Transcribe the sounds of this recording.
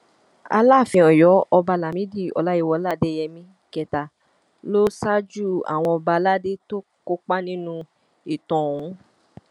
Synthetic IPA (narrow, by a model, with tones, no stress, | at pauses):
a̰˧la˦˨fĩ˧ɔ˨jɔ˨˦ɔ˧ba˧la˨mĩ˨˦di˦˨ɔ̰˨la˦i˧˦wɔ˧˦la˦˨de˦jɛ˧mĩ˧˦ | kɛ˨ta˨ | lo˦sa˦d͡ʒu˦˨a̰˨w̃ɔ̃˧ɔ˧ba˧la˦˨de˦to˦ko˦k͡pa˦nĩ˦nũ˦˧ | i˨tɔ̃˨ũ˨˦